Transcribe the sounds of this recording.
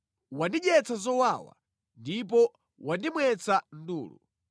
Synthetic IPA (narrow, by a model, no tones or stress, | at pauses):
wandiʄɛt͡sʰazɔwawa̰ | ndip̬ɔ | wandimwɛt͡sʰan̩dṵːlṵ